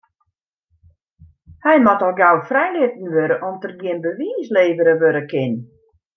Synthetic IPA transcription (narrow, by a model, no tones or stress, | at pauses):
hɛjmatɔlˠɡawfrɛjlɪtn̩ʋøɾəʔɔmtərɡiənbəʋiːsleːvəɾəʋøɾəkʰɪn